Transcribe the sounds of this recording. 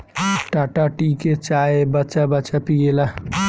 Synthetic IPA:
ʈaːʈaʈiket͡ʃaːebət͡ʃabət͡ʃapijela

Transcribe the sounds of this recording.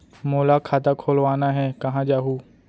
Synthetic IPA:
moːlakʰaːt̪akʰoːlʋaːnaɦɛkɐɦãd͡ʒaːɦuː

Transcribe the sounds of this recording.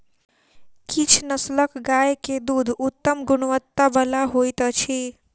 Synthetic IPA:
kit͡ʃʰnəsləkɡajked̪ud̪ʱut̪ːəmɡunʋət̪ːabəlaɦojt̪ət͡ʃʰi

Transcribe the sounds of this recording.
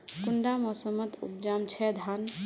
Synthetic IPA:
kuɳɖamɔsəmət̪ṵp̚d͡ʒamt͡ʃʰɛd̪ʱan

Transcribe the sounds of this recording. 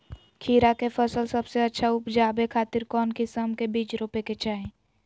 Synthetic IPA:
kʰiːɾakepʰəsəlsəbseətːʃʰaʊpd͡ʒaːbekʰaːt̪ɪɾkɔːnkisəmkebiːt͡ʃɾoːpeket͡ʃaːẽ

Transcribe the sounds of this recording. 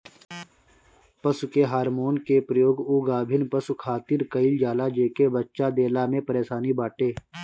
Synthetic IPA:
pəsʊkeɦaːɾmoːnkepɾəjoːɡuɡaːbʱɪnpəsukʰaːt̪ɪɾkəɪld͡ʒaːlad͡ʒeːkebətːʃad̪eːlamẽpəɾeːsaːnibaːʈeː

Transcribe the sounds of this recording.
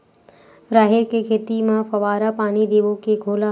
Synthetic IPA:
ɾaːɦɪɾkekʰeːt̪imãpʰɐʋaːɾapaːnid̪eːʋokeɡʱoːla

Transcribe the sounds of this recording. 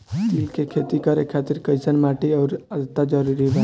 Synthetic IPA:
t̪ilkʰekʰet̪ikəɾekʰat̪iɾkəjsənmaʈiaʊɾəd̪ət̪ːad͡ʒəɾuɾibɛ

